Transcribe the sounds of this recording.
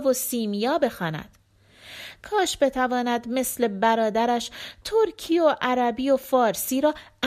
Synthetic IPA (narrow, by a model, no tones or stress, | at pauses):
vosiːmijɒːbe̞xɒːnæ̰d̪̥ | kʰɒːʃbe̞t̪ʰævɒːnæd̪me̞sle̞bæɾɒːd̪æɾæʃt̪ʰoɾcʰiːoʔæɾæbiːofɒːɾsiːɾɒːæ